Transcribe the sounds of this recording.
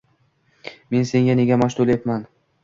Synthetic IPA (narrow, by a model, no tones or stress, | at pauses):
me̞nse̞ŋɡʲane̞ɡʲamɒʃt̪olep̪man